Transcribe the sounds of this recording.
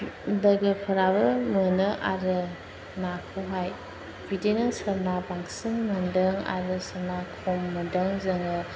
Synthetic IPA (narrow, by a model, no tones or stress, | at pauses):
dɐɡɯpʰɯɾabɯmɯnɯʔaɾɯ | nakʰuɦaj | bitenɯŋsabnabaŋsiŋmɯndɯŋa̰ɾɯsɐnakʰɔmːɯdɯŋzɐŋɯ